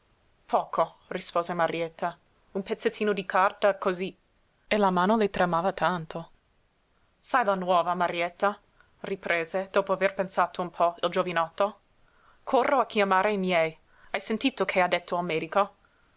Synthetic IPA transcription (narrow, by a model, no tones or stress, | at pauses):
pʰɔːkʰo | rispoːzemaɾjɛt̪ʰːa | umpet̪sːet̪ʰːiːnod̪ikʰart̪akozi | elamaːnolet̪ɾamaːvat̪ant̪o | sajlanwɔːvamaɾiɛt̪ːa | ripɾeːzed̪̥oːpoaverpensaːt̪oumpʰɔild͡ʒovinɔt̪ːo | kʰorːʔoakjamaːɾeimjɛj | ajsent̪iːt̪okʰead̪et̪ʰːoalmeːd̪iko